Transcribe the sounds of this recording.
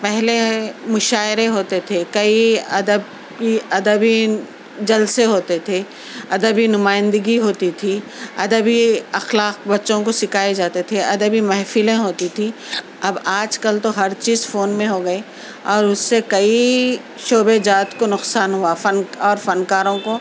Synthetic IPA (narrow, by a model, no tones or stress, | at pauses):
pɛɦlemʊʃaːɪɾẽɦoːt̪et̪ʰekɐiɐ̰d̪əb | kiɐd̪əbi | d͡ʒɐlseɦoːt̪et̪ʰe | ɐd̪əbinʊmaːɪ̃nd̪əɡiɦoːt̪it̪ʰi | ɐ̰d̪əbiɐxlaːq̚bɐtːʃõkosɪkʰaːed͡ʒaːt̪et̪ʰeɐd̪əbimɐɦfilẽɦoːt̪it̪ʰi | ɐbaːd͡ʒkɐlt̪oɦɐɾt͡ʃiːzfoːnmẽɦoɡɐe | ɔːɾʊsːekɐi | ʃoːbed͡ʒaːt̪konʊqsaːnɦuafɐnɔːɾfɐnkaːɾõko